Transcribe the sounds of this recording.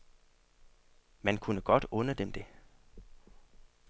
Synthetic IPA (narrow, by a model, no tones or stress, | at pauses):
mænkʰunəɡ̥ɒ̽d̥ɔ̽nəd̥emd̥e̝